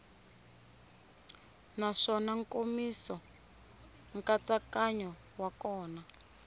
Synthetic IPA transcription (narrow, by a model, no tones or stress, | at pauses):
naʂɔnaŋkomisɔ | ŋkat͡sakaɲɔ | wakɔːna